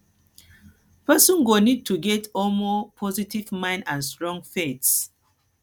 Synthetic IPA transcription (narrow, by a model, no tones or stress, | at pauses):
pɛsɔ̃nɡonid̚tʰuɡɛtɔlmɔpʰɔzitivmãɪ̃ndãnstɹɔ̃ŋfets